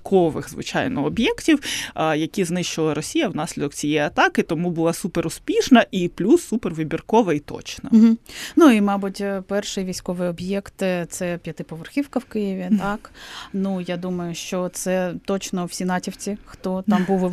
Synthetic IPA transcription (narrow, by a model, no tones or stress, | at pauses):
kʰɔʋɪ̰xzʋɪ̰t͡ʃɑ̰jnɔːbʲjɛktʲiwjɐkʲiznɪʃt͡ʃɪlˠɐɾɔsʲijɐwnɑsʲlʲid̪ɔkt͡sʲijɛjɐt̪ɑkɪt̪ɔmubʊlˠɑsupeɾʊspʲiʃnɐʔiplʲusːuperʋɪbʲirkɔʋɐit̪ɔ̰t͡ʃnɐɦ̩nuimɑbʊtʲpɛrʃɪjʋʲijsʲkɔʋɪjɔbʲjɛkt̪t̪sɛpʲjɐt̪ɪpɔʋerxʲiwkɐwkɪjiʋʲit̪ɑknujad̪umɐjʊʃt͡ʃɔt̪sɛt̪ɔt͡ʃnɔw̥sʲinɑtʲiwt͡sʲixt̪ɔt̪ɑmbuʋ